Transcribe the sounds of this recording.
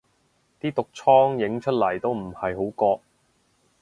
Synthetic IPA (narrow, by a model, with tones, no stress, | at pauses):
t̪iː˥t̪ʊ˨k̚t͡ʃʰɔː˥ŋjɪ˨˧˥ŋt͡ʃʰɵ˥t̚lɐ˨˩jt̪o˥wm̩˨˩hɐ˨jɦo˨˥wkɔː˧ʔ̚